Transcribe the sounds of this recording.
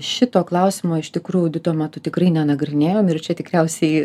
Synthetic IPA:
ʃʲɪt̪oːklˠɐʊsʲɪmoːɪʃt̪ʲɪkɾuːjʊdʲɪt̪uɔmʲæt̪ʊt̪ʲɪkrɐɪnʲɛnɐɡɾʲɪnʲeːjoːmɪrt͡ʃʲɛt̪ʲɪkɾʲɛʊsʲɛɪ

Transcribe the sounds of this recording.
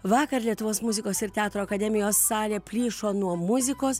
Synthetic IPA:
ʋɑːkɐɾlʲiɛt̪ʊʋoːsmʊzʲɪkoːsɪɾt̪ʲɛɑːt̪ɾoːɐkɐd̪ʲɛmʲɪjoːsːɑːlʲeːpʲlʲiːʃoːnuɔmʊzʲɪkoːs

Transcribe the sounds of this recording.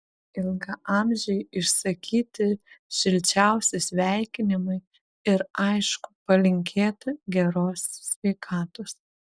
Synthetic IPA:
ɪlˠɡɐʔɑmʲʒʲɛjɪʃsɐkʲʰiːt̪ʲɪʃʲɪlʲt͡ʃʲæʊsʲɪsʲʋʲɛˑɪkʲɪnʲɪmɐɪ | ɪɾɐɪʃkʊpɐlʲɪŋʲkʲʰeːt̪ʲɪɡʲɛɾoːssʲʋʲɛɪkʰɑːt̪oːs

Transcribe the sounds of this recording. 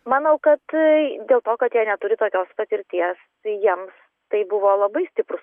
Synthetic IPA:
mɑːnɐʊkɐt̪d̪ʲeːlˠt̪oːkɐt̪jiɛnʲɛt̪ʊɾʲɪt̪oːkʲoːspɐt̪ʲɪɾʲt̪ʲiɛs | jiɛms | t̪ɐɪbʊʋoːlˠɐbɐɪsʲt̪ʲɪpɾʊs

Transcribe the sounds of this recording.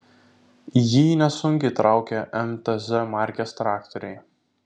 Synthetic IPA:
jiːnʲɛsʊŋʲkʲɛɪt̪ɾʔɑˑʊkʲɛʔɛmt̪ɛzɛmɑˑɾʲkʲɛst̪ɾɑːkt̪ɔɾʲɛɪ

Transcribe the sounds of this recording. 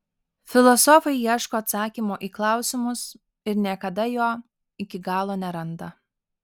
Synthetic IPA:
fʲɪlˠɔsɔfɐɪiɛʃkoːɐt̪sɑːkʲimoːʔiːklˠɑˑʊsʲɪmʊs | ɪɾnʲiɛkɐd̪ɐjoː | ɪkʲɪɡɑːlˠoːnʲɛɾɐnd̪ɐ

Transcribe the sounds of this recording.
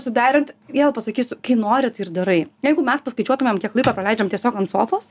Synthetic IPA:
sʊd̪ʲæːɾʲɪnt̪ʋʲiɛlˠpɐsɐkʲiːstʊkɐɪnoːɾʲɪt̪ɪrd̪ɐɾɐɪjɛɪɡʊmʲɛspɐskɐɪt͡ʃʲuɔt̪ʊmʲɛmkʲiɛklˠɐɪkoːpɾɐlʲɛˑɪd͡ʒʲɛmt̪ʲiɛsʲoːkɐnt̪soːfoːs

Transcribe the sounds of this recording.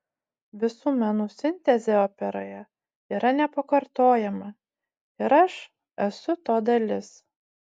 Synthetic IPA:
ʋʲɪsuːmʲɛnuːsʲɪnʲt̪ʲɛzʲeoːpʲɛɾoːjɛ | iːɾɐnʲɛpɐkɐɾt̪oːjɛmɐ | ɪɾɐʃ | ɛsʊt̪oːd̪ɐlʲɪs

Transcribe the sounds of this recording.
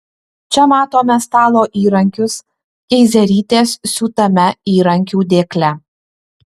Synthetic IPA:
t͡ʃʲɛmɑːt̪oːmʲɛst̪ɑːlˠoːʔiːɾɐŋʲkʲʊs | ɛɪzʲɛɾʲiːt̪ʲeːssʊt̪ɐmʲɛiːɾɐŋʲkʲuːd̪ʲeːklʲɛ

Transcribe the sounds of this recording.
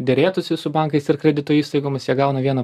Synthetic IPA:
d̪ʲeɾʲeːt̪ʊsʲɪsʊbɐŋkɐɪsɪɾkɾʲɛd̪ʲɪt̪oːiːst̪ɐɪɡoːmʲɪsjiɛɡɐʊnɐʋʲiɛnɐ

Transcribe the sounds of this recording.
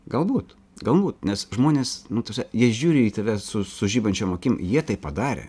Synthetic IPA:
ɡɐlˠbuːt̪ | ɡɐlˠbuːt̪nʲɛsʒmoːnʲeːsnʊt̪ɐsʲɛjiɛʒʲuːɾʲɪiːt̪ɐʋʲɛsʊsʊʒʲiːbɐnʲt͡ʃʲoːmoːkʲiːm̰jiɛt̪ɐɪppɐd̪ɑːɾʲḛ

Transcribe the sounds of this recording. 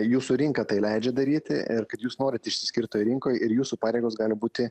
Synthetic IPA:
juːsuːɾʲɪŋkɐt̪ɐɪlʲɛɪd͡ʒʲɛd̪ɐɾʲiːt̪ʲɪ̰ʔɪɾkɐt̪juːsnoːɾʲɪt̪ɪʃʲsʲɪ̥sʲkʲɪɾt̪oːjɾʲɪŋkoːjɪɾjuːsuːpɑːɾʲeːɡoːsɡɑːlʲɪbuːt̪ʲɪ

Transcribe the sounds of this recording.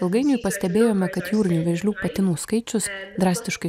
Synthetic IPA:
ɐlˠɡɐɪnʲʊjpɐsʲt̪ʲɛbʲeːjoːmʲɛkɐt̪juːɾʲɪnʲuːʋʲɛʒʲlʲuːpɐt̪ʲɪnuːskɐɪt͡ʃʲʊsd̪ɾɑːsʲt̪ʲɪʃkɐɪ

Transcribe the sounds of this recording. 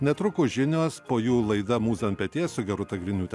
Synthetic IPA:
nʲɛt̪ɾʊkʊʒʲɪnʲoːspoːjuːlˠɐɪd̪ɐmuːzɐmʲpʲɛt̪ʲeːsʊɡʲɛɾʊt̪ɐɡɾʲɪnʲuːt̪ʲɛ

